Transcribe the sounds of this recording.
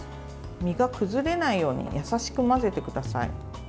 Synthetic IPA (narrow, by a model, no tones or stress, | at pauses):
mʲiɡakɯ̟zɨɾe̞naijo̞ːɲ̟ḭjasaɕi̥kɯ̟maze̞t̪e̞kɯ̟d̪asa̰ḭ